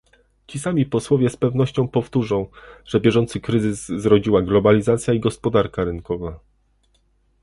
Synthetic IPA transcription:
t͡ɕisamʲipɔswɔvʲjɛspɛvnɔɕt͡ɕɔ̃w̃pɔft̪uʐɔ̃w̃ʐ̥ɛbʲjɛʐɔnt̪sɘkɾɘzɘzːɾɔd͡ʑiwaɡlɔbalʲizat̪sʲjaiɡɔspɔd̪aɾkaɾɘŋkɔva

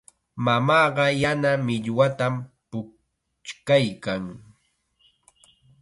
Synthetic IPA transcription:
mamɑːɢɑjanamɪʎwat̪ampʊ | t͡ʃkajkaŋ

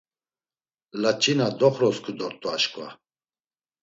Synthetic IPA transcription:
lat͡ʃʼinad̪ɔχɾɔskʰud̪ɔɾt̪ʼɔaʃkʼva̰

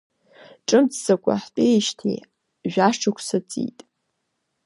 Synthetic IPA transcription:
ʈ͡ʂʼɨmt͡sʰzakʷʼa̰ħpʼejʃtʰḭ | ʒᶣaʂʈ͡ʂʰakʷʰsat͡sʼḭtʼ

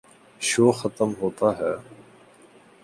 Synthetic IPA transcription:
ʃoːxɐt̪əmɦoːt̪aɦɛː

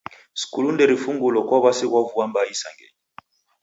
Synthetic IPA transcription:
skulundɛɾifuŋɡolɔkwaβasekwavuambaisa̰ŋɡɛ̰ɲi

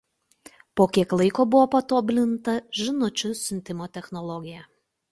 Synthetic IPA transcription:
poːkʲiɛklˠɐɪkoːbʊʋoːpɐt̪oːbʲlʲɪnt̪ɐʒʲɪnʊt͡ʃʲʊsʲʊnʲt̪ʲɪmoːt̪ʲɛxnɔlˠɔɡʲɪjɛ

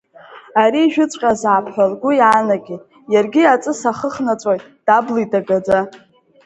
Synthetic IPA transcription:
aɾiːʒᶣʊt͡sʷʼqʲʼazaːpʰħʷᶣalɡʷʊjanaɡʲi | jarɡʲiat͡sʼɨsaχəχnat͡sʷʼojtʼd̥ablidaɡad͡za

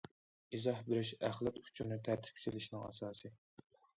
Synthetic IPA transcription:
izɑhbɪɾɪʃæχlˠɛt̪u̥t͡ʃʰunɪt̪ʰæɾt̪ʰɪ̥p̚kʰʲsɪlɪʃnɪŋɑ̰sɑːsɨ

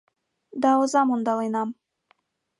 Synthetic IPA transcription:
d̪ɑozɑmund̪ɑlˠɤjnɑm

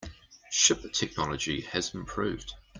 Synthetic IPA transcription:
ʃʊpətʰɛk̚nɒləd͡ʒiəzɪ̃mpʰɹ̥ʉ̰ːvd̥

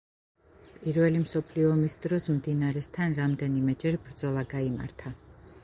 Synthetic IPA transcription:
pʼiɾvɛlimsɔpʰliɔːmisd̪ɾɔsmd̪inaɾɛst̪ʰanɾamd̪ɛnimɛd͡ʒɛɾbɾd̪zɔlˠaɡaima̰ɾt̪ʰa

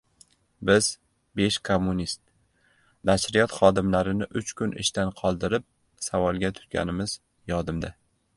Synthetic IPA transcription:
bɪz̥ | be̞ʃkʰomːʊnist̪̚ | naʃɾɪjɒt̪χɒd̪ɪmlaɾɪnɪʔʊt͡ʃkʰʊnɪ̰ʃt̪anqʰɒlˠd̪ɪɾɪp̚ | savɒlˠɡʲat̪ʰʊ̥t̪̚ɡʲʰa̰nɪmɪz̥ | jɒd̪ɪmd̪a

